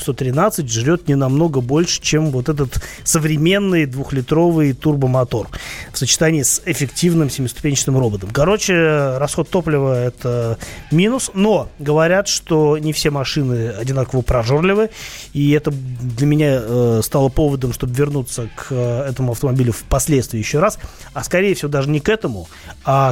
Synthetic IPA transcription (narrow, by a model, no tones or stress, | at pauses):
st̪ot̪ɾʲɪnat̪sɨtʲʐɾʲo̞t̪nʲɪnɐmno̞ɡəbo̞lʲʂɨ̥t͡ɕemvo̞t̪ɛt̪̬ət̪ | səvɾʲɪmʲe̞nːɨjd̪vʊxlʲɪt̪ɾo̞vɨjt̪urbəmɐt̪o̞rfsət͡ɕɪ̥t̪anʲɪːsɪfʲɪktʲivnɨmsʲɪmʲɪst̪ʊ̥pʲenʲt͡ɕɪ̥nɨmro̞bət̪əmkɐɾo̞t͡ɕɪrɐsxo̞t̪ːo̞plʲɪvəɛt̪əmʲinʊsno̞ɡəvɐɾʲat̪ʂt̪o̞nʲɪfsʲemɐʂɨnɨɐdʲɪnakəvəpɾɐʐo̞rlʲɪvɨiɛt̪əd̪lʲəmʲɪnʲaəst̪alˠəpo̞vəd̪əmʂt̪o̞bəvʲɪrnut̪səkʰəɛt̪əmʊɐft̪əmɐbʲilʲʊfpɐsʲlʲet̪st̪vʲɪːjɪɕːoɾas | ɐskɐɾʲejɪfsʲɪvod̪aʐɨnʲɪkɛt̪əmʊ | a